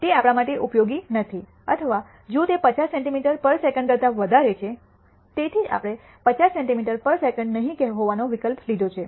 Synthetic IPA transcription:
t̪eapɽ̃amaʈeʔupjoɡinət̪ʰi | ət̪ʰəʋa | d͡ʒõt̪epət͡ʃasːɛɳʈimiʈəɾpəɾsekəɳɖkəɾt̪aʋəd̪ʱaɾet͡ʃʰe | t̪et̪ʰid͡ʒa̰pəɽ̃e | pət͡ʃasːẽɳʈimiʈəɾpəɾsekəɳɖnəɦĩkɛɦɦoʋanoʋikəlplid̪ʱot͡ʃʰe

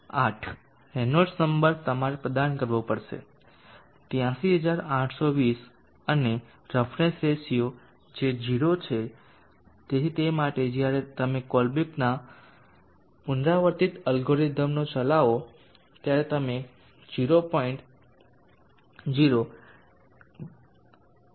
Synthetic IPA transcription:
aʈʰ | ɛnod͡ʒsəmbəɾb̚t̪əmaɾepɾəd̪ankəɾʋopəɽʃḛ | t̪jãsiɦəd͡ʒaɾãʈʰsoʋis | əne | ɾəfʰɾẽnsesijo | d͡ʒed͡ʒiɾot͡ʃʰe | t̪et̪emaʈed͡ʒjaɾet̪əmekɔlbikna | ʊnɾaʋəɾt̪it̪əlɡoɾid̪ʱəmnot͡ʃəlaʋo | t̪jaɾet̪əme | d͡ʒiɾopɔiɳʈ | d͡ʒiɾo

